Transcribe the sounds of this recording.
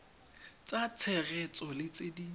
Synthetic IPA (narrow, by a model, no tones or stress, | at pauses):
t͡sʼat͡sʰɛɣɛt͡sʼɔlɪt͡sʼedi